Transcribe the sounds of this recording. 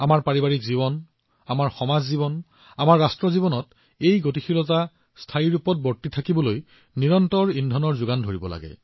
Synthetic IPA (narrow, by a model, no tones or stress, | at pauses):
amaɹpaɹibaɹikziβɔn | amaɹxɔmazzibɔn | amaɹːastɹɔzibɔnɔt | ejɡot̬ixʰilɔta | stʰajiɹupɔt̚bɔɹtitʰakibɔloj | niɹɔntɔɹindʱɔnɔɹzʊɡandʱoɹibɔla̰ɡɛ̰